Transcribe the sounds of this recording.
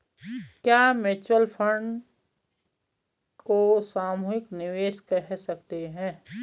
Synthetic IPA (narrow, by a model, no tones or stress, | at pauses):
kjaːmeːt͡ʃwəlpʰə̃ɳɖ | kosaːmuːɦɪknɪʋeːʃkɛɦsɐk̚t̪eɦɛ̃ː